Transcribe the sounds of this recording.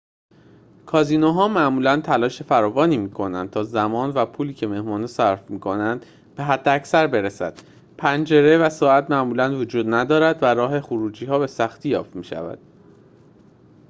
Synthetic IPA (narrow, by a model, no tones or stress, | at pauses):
kʰɒːziːnoɦɒːmæʔmuːlænt̪ʰælɒːʃe̞fæɾɒːvɒːniːmiːkʰo̞nænd̪̚t̪ʰɒːzæmɒːnvæpʰuːliːcʰeme̞hmɒːnesæɾfmiːkʰo̞nænd̪ | b̥e̞ɦæd̪ːeæcsæɾbe̞ɾesæ̰d̪̥ | pʰænd͡ʒe̞ɾe̞væsɒːæt̪mæʔmuːlænvod͡ʒuːd̪næd̪ɒːɾæd̪væɾɒːɦe̞xuɾuːd͡ʒiːhɒːbe̞sæxt̪ʰijɒ̰ːft̪miːʃæ̰væ̰d̪̥